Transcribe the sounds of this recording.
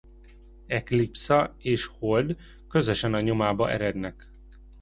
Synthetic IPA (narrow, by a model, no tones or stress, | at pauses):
ɛklipsɒeːʃhold̪ | kø̞zø̞ʃɛnɒɲo̞maːbɒʔɛ̰ɾɛd̪nɛk